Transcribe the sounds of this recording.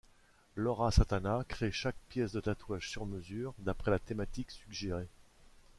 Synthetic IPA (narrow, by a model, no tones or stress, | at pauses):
lɔʁasãt̪anakχeʃak̚pjɛsd̪ət̪at̪waʒsyʁməzyːʁd̪apχɛlat̪emat̪iksyɡʒeʁe